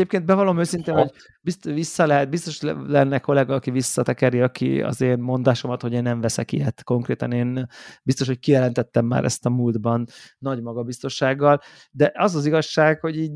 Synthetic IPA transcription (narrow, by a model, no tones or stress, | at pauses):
ɛeːp̚keːnd̪bɛvɒloːmøːsint̪eːno̞ɟ | bist̪ʋisːɒlɛɦɛt̪̚bist̪o̞ʃlɛnːɛko̞lɛɡɒːkivisːɒt̪ɛkɛɾiɒkḭɒ̰zeːnmo̞nd̪aːʃo̞mɒt̪ho̞ɟeːnːɛɱvɛsɛkḭjɛt̪ko̞ŋkreːt̪ɒneːnbist̪oʃ̬hoc̚kijɛlɛnt̪ɛt̪ːɛmːa̰ːɾɛ̰st̪ɒmuːld̪bɒnːɒɟmɒɡɒbist̪o̞ʃaːɡːɒl | d̪ɛʔɒzɒziɡɒʃːaːɡho̞ɟiːɟ